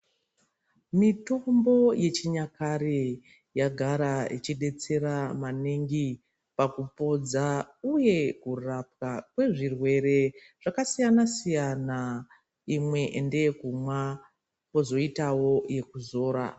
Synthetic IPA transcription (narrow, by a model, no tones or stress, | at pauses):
mito̞mbo̞je̞t͡ʃiɲakaɾe | jaɡʱaɾait͡ʃiɗe̞t͡se̞ɾamaniŋɡi | pakupo̞d͡zauje̞kurap̚kakwe̞ʐirwe̞ɾe̞ | ʐ̥akasijanasijana | imwe̞ʔnde̞ekumwa | po̞zo̞itawo̞je̞kuzo̞ːɾa̰